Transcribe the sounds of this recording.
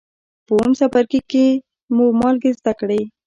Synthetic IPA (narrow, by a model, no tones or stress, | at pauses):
pəomsapaɾkike | mumɑlɡezd̪akɽej